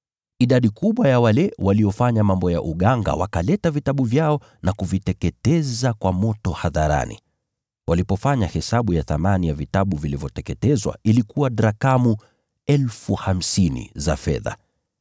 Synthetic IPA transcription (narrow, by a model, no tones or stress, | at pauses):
iɗaɗikuɓwajawalɛwaliɔfaɲamambɔja̰ʔuɠaŋɡa̰wakalɛtavitaɓuvjaɔ | nakuvitɛkɛtɛzakwamɔtɔhaðaɾa̰nḭ | walipɔfaɲahɛsaɓujaθamanijavitaɓuvilivjɔtɛkɛtɛzwa̰ʔilikuwaɗɾakamu | ɛlfuham̩sinḭza̰fɛ̰ða̰